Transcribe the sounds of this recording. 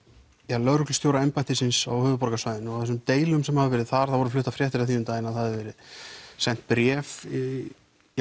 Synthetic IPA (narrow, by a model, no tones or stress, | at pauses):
jalœɾʏklst̪joːwɾaɛmpajht̪ɪsɪnsa̰whʏːvʏpɔɾkasvaɥðɪnawθɛsʏmt̪eːjlʏmsɛmhaðɪvɛːɾɪðθaɾ̥θavɔɾʏflʏht̪afɾjɛht̪ɪɾaθiːnʏmt̪aːjɪnaðhaðɪvɛːɾɪðsɛn̥t̪̚pɾjɛːf